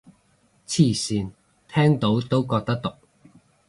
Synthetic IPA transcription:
t͡sʰiː˥˩siː˨˧n | t̪ʰɛː˥ŋt̪o˨˥wt̪o˥wkɔː˧k̚t̪ɐ˥k̚t̪ʊ˨k̚

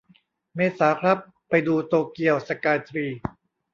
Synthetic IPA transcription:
meː˧saː˩˦kʰɾa˦˥pːa˧jduː˧t̪oː˧ki˧əwsa˧kaː˧t̪ɾiː˧

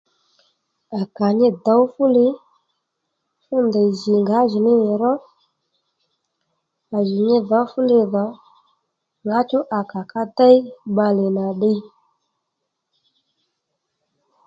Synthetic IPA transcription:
a˨ka˨ɲɪ˦da˨˦wfu˦lɪ˦ | fu˦ndə˨zi˨ŋɡa˨˦zi˨ni˦i˨ɾɔ˦ | a˨zi˨ɲi˦va˨˦fu˦le˦va˨˦ | ŋɡa˨˦t͡ʃu˦ʔa˨ka˨ka˦ta˦i˦ɓa˦le˨na˨ɗi˦

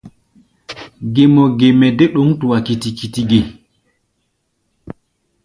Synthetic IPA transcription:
ɡe˨mɔ˨ɡe˨mɛ˨dɛ˦ɗo˦ŋtu˨wa˨ki˨ti˨ki˨ti˦ɡe˨

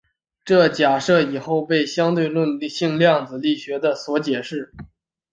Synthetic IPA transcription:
ʈ͡ʂɤ˥˩t͡ɕja˨˩ʂɤ˥˩i˨˩xo˥˧ʊpe˥˩ɪɕjɑ˥ŋt̪we˥˧ɪlwə˥˧n˥˧ɕi˥˧ŋljɑ˥˩ŋd͡zɹ̩˨˩li˥˩ɕɥɛ˧˥d̪ə˧swɔ˧˥t͡ɕjɛ˨˩ʂɻ̩˥˩

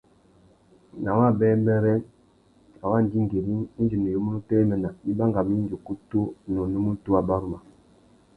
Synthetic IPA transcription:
na˨wa˦˨bɛː˦mbɛ˦ɾɛ˦ | a˨wa˦˨n˦di˦ŋ˨ɡe˨ɾi˦d͡ʒi˨ni˨jo˦mu˦nu˦tɛ˦mɛ˨na˨i˦ba˦ŋɡa˨mi˦n˦d͡ʒo˨ku˦to˦nɔ˨nu˦mu˦tu˦a˨ba˦ɾu˦ma˨

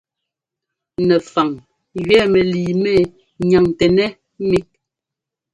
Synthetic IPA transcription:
nɛ˨fa˨ŋ | ɥɛː˦˨mɛ˨liː˨mɛ˦˨ | ɲa˨ŋtɛ˨nɛ˦ | mi˦k̚

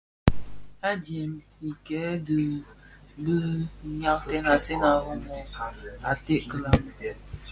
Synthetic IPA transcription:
a˦d͡ʒjɛ˨m | i˨kɛ˨˦də˨ | bə˦ɲa˦k̚tɛ˦na˨se˦na˨ɣɔ˦mɔ˨a̰˨te˦ʔkə˨la˨m˨

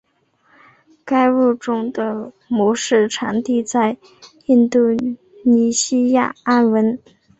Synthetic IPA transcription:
ka˥ɪɻu˥˩ʈ͡ʂʊ˥ŋd̪ə˧ | mwɔ˧˥ʂɻ̩˥˩ʈ͡ʂʰa˧˥nt̪i˥˧t͡sa˥˧ɪ | i˥˧nt̪u˥˩ | ni˧˥ɕi˥ja̰˥˩a˥nwə˧˥n

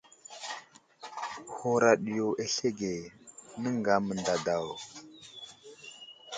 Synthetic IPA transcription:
ho˦ɾa˨ɗi˨jo˨ʔe˦ɬe˦ɡe˨nə˦ŋɡa˨˦mə˨nda˨da˨w

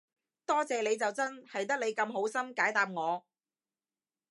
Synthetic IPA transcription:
t̪ɔː˥t͡sɛː˨le˨˧jt͡sɐ˨wt͡sɐ˥nhɐ˨jt̪̬ɐ˥k̚le˨˧jkɐ˧mɦo˨˥wsɐ˥mkaː˨˥jt̪aː˨p̚ŋɔː˨˧

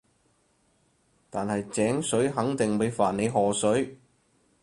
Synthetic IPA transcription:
t̪aː˨nhɐ˨jt͡sɛː˨˥ŋsɵ˨˥ɥɦɐ˨˥ŋt̪ɪ˨ŋpe˨˧˥faː˨˩nne˨˧jɦɔː˨˩sɵ˨˥ɥ

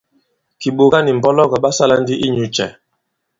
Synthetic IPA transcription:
ki˨ɓo˨ɣa˦ni˨m̩˨bɔ˦lɔ˦ɣɔ˨ɓa˦sa˦la˦n˦di˦ʔi˦ɲu˨t͡ʃɛ̰˨

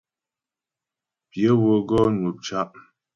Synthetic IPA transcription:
pjə˨˦wo˨ɡɔ˦nu˨p̚t͡ʃa˦ʔ

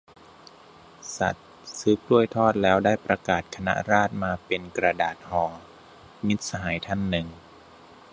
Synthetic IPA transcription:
sa̰˨˩t̪̚ | sɯː˦˥p̚ʰlu˥˩əjt̪ʰɔː˥˩t̪̚lɛː˦˥wdaː˥˩jpɾa˧kaː˨˩t̪̚kʰa˧na̰˦˥ɾaː˥˩t̪̚maː˧pe˧nkɾa˧daː˨˩t̪̚hɔː˩˦ | mi˦˥t̪̚sa˧ɦaː˩˦jt̪ʰa˥˩nːɯ˨˩ŋ

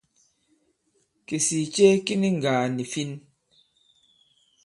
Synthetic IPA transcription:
ke˨si˨t͡ʃe˦ki˦ni˦ŋ̩˨ɡa˨ni˨fi˦n

